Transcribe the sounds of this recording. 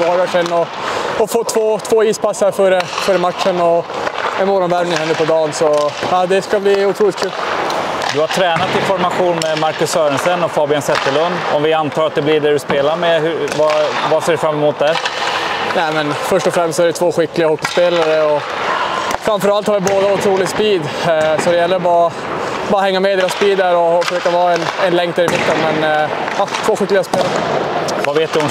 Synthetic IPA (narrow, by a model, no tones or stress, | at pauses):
haɾvæʈɛnːɔ | ɔfɔt̪ʰːvoːt̪ʰvoːiːspasːaɾfœɾəfœɾəmat̪ːənɔɛnmoːɾɔnvæɾmnɪŋhɛnːəpʰɔd̪ɑːnsɔɑːd̪ɛskabliːʊt̪ʰɾuːlɪt̪kʰʉ̟ːld̪ɵhaʈʰɾɛːnat̪ɪnfɔɾmaɧuːnmɛmaɾkɵsœːɾɛnsɛnːɔfɑːbɪansɛt̪ːəlɵnd̪ɔmvɪant̪ʰɑːɾat̪̚d̪ɛblɪɖɛɖɵspeːlaɾmɛhɵvavaseːɖɵfɾamːɛmʊt̪̚d̪æɾ | næːmɛnfœʂʈɔfɾɛmst̪sɔæɾɖɛt̪ʰvoːɧɪkːlɪɡahɔkːɪspeːlaɾəɔ | fɾamfœɾalt̪hɑɾʋɪboːd̪aʊt̪ʰɾuːlɪspiːd̪sɔd̪ɛjɛlːəɾbɑɾa | bɑːɾahɛŋːamɛd̪eːɾaspiːd̪əɾɔfœʂøːkavɑːɛnɛnlɛŋkt̪̚æɾɪmɪt̪ːənmɛnɑt̪ʰvoːɧɪkːlɪɡaspeːlaɾəvaveːt̪̚d̪ɵʊn